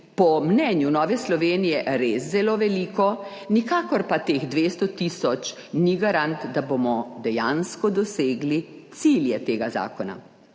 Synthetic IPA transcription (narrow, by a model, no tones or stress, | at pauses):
pɔmnɛːnjunɔːʋɛslɔʋeːnijɛɾeːszɛloːʋɛliːkɔ | nikaːkɔɾpat̪eːxd̪ʋeːst̪ɔt̪isɔt͡ʃ | niɡaɾant̪d̪abomɔd̪ɛjanskɔd̪ɔseːɡlit̪siljɛt̪eːɡaza̰ːkɔna̰